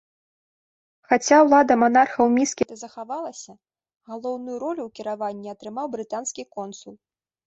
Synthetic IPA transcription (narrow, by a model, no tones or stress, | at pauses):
xat͡sʲawlˠad̪ɐmanarxɐwmʲiskʲit̪ɐzɐxavalˠɐsʲɐ | ɣalˠɔwnujuɾɔlʲuwkʲiɾavanʲːiɐt̪ɾɨmawbɾɨt̪anskʲikɔnsulˠ